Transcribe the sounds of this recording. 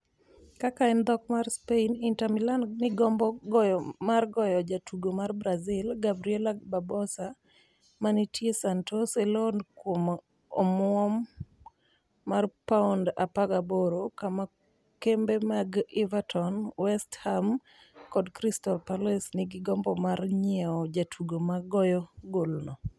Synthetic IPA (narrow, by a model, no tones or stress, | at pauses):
kakaɛnd̪ɔkmarspeinintamilannɪɡɔmbɔɡɔjmarɡɔjɔd͡ʒatʰuɡomarbɾazɪlɡabɾiɛlababɔsa | manitjesantʰosɛlɔnkwom | omwɔm | arpaunda̰paɡaboɾokama | kembemaɡivatʰɔnwɛstham | kɔdkɾistɔlpalɛsnɪɡɪɡɔmbɔmarɲɪɛɔd͡ʒatʰuɡomaɡɔjɔɡolnɔ